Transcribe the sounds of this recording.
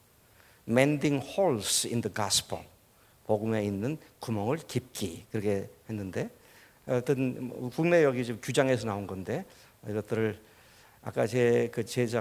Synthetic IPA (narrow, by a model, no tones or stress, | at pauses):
mendiŋhoɭsind̪əɡaspʰoŋ | poɡumeinːɯnkumʌŋɯɭkip̚k͈ikɯɾʌkʰehenːɯnde̞ | tɯn̰kuŋne̞jʌɡid͡ʑimkjud͡ʑaŋɦes̬ʰʌnaunɡʌnde̞ | iɡʌt͈ɯɾɯɭ | a̰k͈at͡ɕekɯt͡ɕed͡ʑa